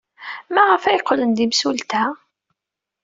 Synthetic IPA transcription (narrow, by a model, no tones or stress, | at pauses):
mæʁəfæjqːlənd̪imsult̪æ